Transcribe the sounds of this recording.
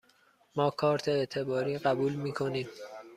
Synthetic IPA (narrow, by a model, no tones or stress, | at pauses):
mɒːkʰɒːɾt̪ʰeːt̪ʰe̞bɒːɾiːɢæbuːlmiːkʰo̞niːm